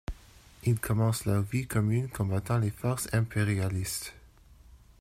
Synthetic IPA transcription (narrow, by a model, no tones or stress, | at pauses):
ilkʰɔmɑ̃slœʁvikɔmynkʰɔ̃bat̪ɑ̃lefɔʁsɛ̃peʁialist̪